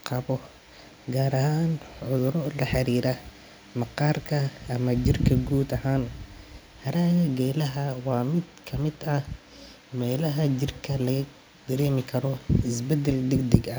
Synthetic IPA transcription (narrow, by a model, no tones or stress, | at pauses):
qʰɑβɔ | ɡaːɾɐɦaːnʕʊðʊɾɔlɐħɑɾiːɾɐ | mɑqɑːrkʰɐːmɐt͡ʃɪrkʰɐɡuːd̪ɐɦaːn | hɐɾaːɣɐɡɛːlɐɦɐwɑːmɪd̪kʰɐmɪd̪ɐ | mɛːlɐɦɐt͡ʃɪrkʰɐlɐɣɐ | ɡ̪̥ɐɾɛːmɪkʰɐɾɔɪsbɛd̪ɛld̪ɛɡd̪ɛɡɐ